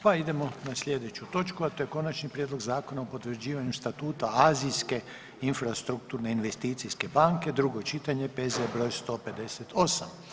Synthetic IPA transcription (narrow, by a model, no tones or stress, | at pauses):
paid̪e̞mo̞naslʎʲe̞d̪e̞t͡ʃut̪o̞t͡ʃkuat̪o̞jeko̞nat͡ʃnipɾʲjed̪lo̞ɡzaːko̞naopo̞t̪ʋɾ̩d͡ʑiːʋaɲust̪at̪uːt̪aaːzijske̞ | infɾast̪ɾuk̚t̪uɾne̞inʋe̞st̪iːt̪siske̞baŋke̞d̪ɾuɡo̞t͡ʃit̪aɲe̞pezebɾo̞jst̪o̞pe̞d̪e̞set̪ʰo̞sam